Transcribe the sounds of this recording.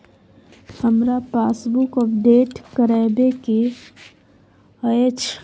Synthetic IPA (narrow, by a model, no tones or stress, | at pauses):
həmɾapaːsbukəpɖeːʈkəɾɛːbeke | əet͡ʃʰ